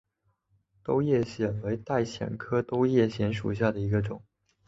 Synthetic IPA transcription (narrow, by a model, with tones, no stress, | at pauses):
t̪o˥ʊjɛ˥˩ɕjɛ˨˩nwe˧˥ɪt̪a˥˩ɪɕjɛ̰˨˩nkʰɤ˥t̪o˥ʊjɛ˥˩ɕjɛ˧˥nʂṵ˨˩ɕja˥˩d̪ə˩i˧˥ɡə˧ʈ͡ʂʊ˨˩˦ŋ